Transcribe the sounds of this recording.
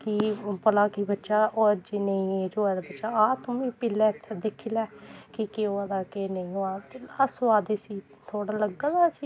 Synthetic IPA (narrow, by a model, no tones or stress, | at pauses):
kipəlaːkibətːʃaːʔod͡ʒeːnəĩːed͡ʒoːɛd̪aːbətːʃaːaːt̪ʊmĩːpɪlɛːt̪ʰːɛd̪ekʰːiːlɛːkɪkeːoːaːd̪aːkenəĩːoaːt̪elasaːd̪eːsiː | t̪ʰoːɽaːləɡaːd̪aːsiː